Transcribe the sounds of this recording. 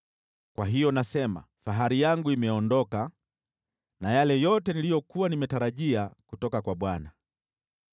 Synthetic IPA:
kwaɦijɔnasɛma̰ | faɦaɾijaŋɡuimɛɔndɔka | najalɛjɔtɛnilijɔkuwanimɛtaɾaʄiakutɔkakwaɓwana

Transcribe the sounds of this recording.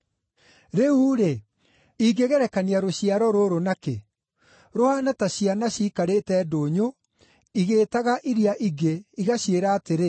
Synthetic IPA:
ɾeuːɾe | iɡeɣɛɾɛkaniaɾoɕiaɾɔɾoɾonakḛ | ɾohanataɕianaɕiːkaɾetɛːdoːɲo | iɣeːtaɣaʔiɾiaʔiɡeiɣaɕieɾaːteɾe

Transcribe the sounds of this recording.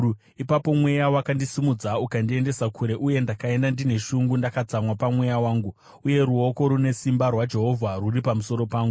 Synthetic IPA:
ipapo̞mwe̞jawakandisimud͡zaukandie̞nde̞sakʰuɾe̞ʔuje̞ndakae̞ndandine̞ʃuŋɡundakat͡samwapamwe̞jawaːŋɡu | uje̞ɾuo̞ko̞ɾune̞simbarwad͡ʒe̞ɦo̞vʱaruripamuso̞ɾo̞paːŋɡu

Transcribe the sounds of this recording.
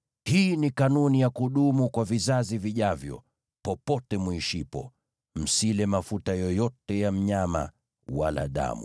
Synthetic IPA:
hiːnikanunijakuɗumukwavizaziviʄavjɔ̰ | pɔpɔtɛmwuiʃipɔ | m̩silɛmafutajɔjɔtɛjam̩ɲama̰ | wala̰ɗa̰mṵ

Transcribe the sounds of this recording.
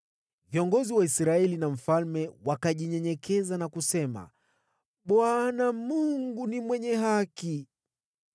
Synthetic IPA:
viɔŋɡɔziwaisɾaɛlinam̩falmɛwakaʄiɲɛɲɛkɛzanakusɛma̰ | ɓwanamuŋɡunimwɛɲɛɦaki

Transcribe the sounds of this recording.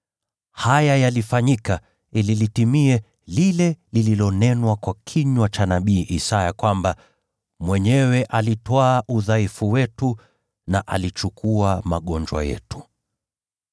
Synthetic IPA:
hajajalifaɲika | ililitimiɛ | lilɛlililɔnɛnwakwakʰiɲwat͡ʃanaɓiːʔisajakwamba | mwɛɲɛwɛʔalitwaːʔuðaifuwɛtu | naʔa̰lit͡ʃukʰuamaɠɔnd͡ʒwa̰jɛ̰tu̥

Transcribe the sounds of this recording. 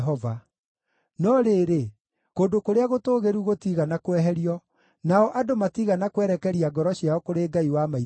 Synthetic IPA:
ɦɔva | nɔɾeːɾe | kondokoɾeaɣotoːɣeɾuɣotiːɣanakwɛɦɛɾiɔ | naɔʔadomatiːɣanakwɛɾɛkɛɾiaɡɔɾɔɕiaɔkoɾeːɡaiwamai

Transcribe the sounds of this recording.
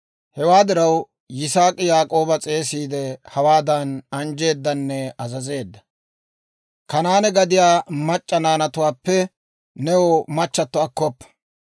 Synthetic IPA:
hɛwaːd̪ɪɾɐw | jɪsaːkʼɪjaːkʼo̞ːbɐt͡sʼe̞ːsiːd̪ɛhɐwaːd̪ɐnɐnd͡ʒe̞ːd̪ːɐnːɛɐzɐze̞ːd̪ːɐ̥ | kɐnaːnɛɡɐd̪ɪjaːmɐt͡ʃʼːɐnaːnɐt̪ʊwaːpːɛ | nɛwɔmɐt͡ʃːɐt̪ːɔɐkːɔpːɐ̥

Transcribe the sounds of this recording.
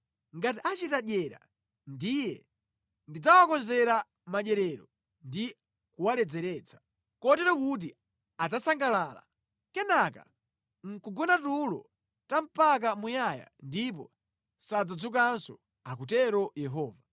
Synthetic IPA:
ŋɡatiʔat͡ʃitaɗjɛɾa̰ | ndijɛ̰ | ndid͡zawakɔnzɛɾa | maɗɛɾɛɾɔ | ndi | kuwalɛd͡zɛɾɛːt͡sʰḁ | kɔtɛɾɔkut̬i | ad͡zasaŋɡalaːla̰ | kɛnaka̰ | ŋ̩kuɡɔnatulɔ̰ | tam̩pakamujaja̰ndip̬ɔ̰ | sad͡zad͡zukansɔ | ak̬utɛɾɔjɛɦɔːva

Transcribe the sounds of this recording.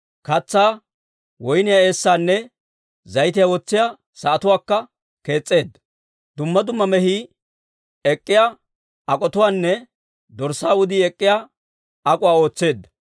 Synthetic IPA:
kɐt͡sːaː | wɔjnɪjae̞ːsːaːnːɛ | zɐjt̪̬ɪjawɔt͡sːɪjaː | sɐʔɐt̪ʊwaːkːɐ | ke̞ːt͡sʼːe̞ːd̪ːɐ | d̪ʊmːɐd̪ʊmːɐmɛhiː | ɛkʼːɪja | ɐkʼɔt̪ʊwaːnːɛ | d̪ɔɾsaːʊd̪iɛkʼːɪjaː | ɐkʼʊwaːo̞ːt͡sːe̞ːd̪ːɐ̥

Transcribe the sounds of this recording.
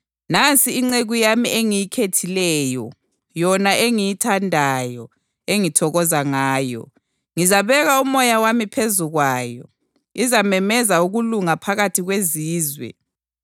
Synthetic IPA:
nant͡sʼiːŋ͡ǀeɣujamieŋijikʰetʰilɛːjɔ | jɔnaʔeŋijitʰandʱajɔ | eŋitʰɔɣɔzaŋaːjɔ̰ | ŋizaβɛɣaumɔjawamipʰezuɣwaːjɔ̰ | izamɛmɛzauɣuluŋapʰaɣatʰiɣweziːzwɛ̰

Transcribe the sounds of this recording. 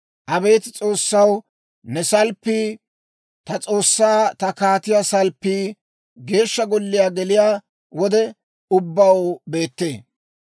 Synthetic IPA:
ʔɐbe̞ːt̪t͡sʼo̞ːsːɐw | nɛsɐlpːɪ | t̪ɐt͡sʼo̞ːsːaːt̪ɐkaːt̪ɪjasɐlpːɪ | ɡe̞ːʃːɐɡɔlːɪjaːɡɛlɪjaː | wɔd̪ɛ | ʊbːɐwbe̞ːt̪ːe̞ː

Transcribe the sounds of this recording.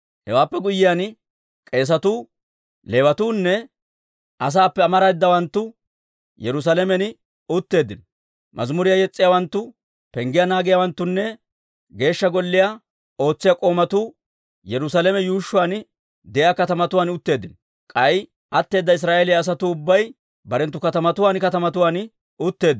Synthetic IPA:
hɛwaːpːɛɡʊjːɪjan | kʼe̞ːs̬ɐt̪uː | le̞ːwɐt̪uːnːɛ | ʔɐs̬aːpːɛɐmɐɾɐjɪd̪ːɐwɐnt̪ːʊ | jɛɾʊs̬alɛmɛnɪ | ʊt̪ːe̞ːd̪ːɪnɔ | mʔɐ̰zmʊɾɪjajɛt͡sʼːɪjaːwɐnt̪ːʊ | pɛŋɡɪjanaːɡɪjawɐnt̪ːʊnːɛ | ɡe̞ːʃːɐɡɔlːɪja | o̞ːt͡sːɪjakʼo̞ːmɐt̪ʊ | jɛɾʊsalɛmɛjuːʃːʊwaːn | d̪ɛjaːkɐt̪ɐmɐt̪ʊwaːnʊt̪ːe̞ːd̪ːɪn | kʼɐj | ʔɐt̪ːe̞ːd̪ːɐɪs̬ɾaːʔelɪjaːs̬ɐt̪ʊːbːɐj | bɐɾɛnt̪ːʊkɐt̪ɐmɐt̪ʊwaːnkɐt̪ɐmɐt̪ʊwaːn | ʊt̪ːe̞ːd̪ː

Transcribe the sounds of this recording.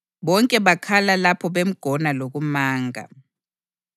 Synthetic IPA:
ɓɔŋkʼɛɓakʰalalapʰɔɓem̩ɡ̥ʱɔnalok̬umaːŋʱa̰

